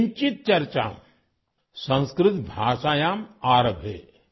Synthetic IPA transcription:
ɲt͡ʃit̪̚t͡ʃɐɾt͡ʃa̰ːm | sɐ̃nskɾɪt̪bʱaːʃaːjaːmaːɾəbʱḛː

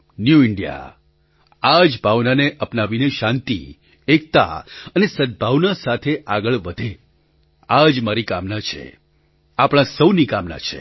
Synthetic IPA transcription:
njuɪɳɖija̰ | ad͡ʒbʱaʋnaneʔəpnaʋineʃãnt̪ḭ | ek̚t̪a̰ənesəd̪̚bʱaʋnasat̪ʰeʔaɡəɭʋəd̪ʱe | ad͡ʒmaɾikamnat͡ʃʰḛ | apɽ̃ãsəwnikamna̰t͡ʃʰḛ

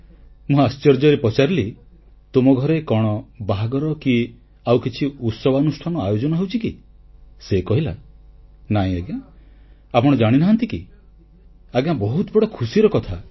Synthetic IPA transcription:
mũast͡ʃɔɾd͡ʒɔɾepɔt͡ʃaɾili | t̪umɔɡʱɔɾekɔɽ̃ɔbaɦaɡɔɾɔki | awkit͡ʃʰiut̪sɔbanusʈʰanɔajod͡ʒɔnɔɦewt͡ʃʰiki | sekɔɦila | naɦĩaɡã | apɔɽ̃ɔd͡ʒaɽ̃inaɦant̪iki | aɡjãbɔɦut̪ɔbɔɽɔkʰusiɾɔkɔt̪ʰa

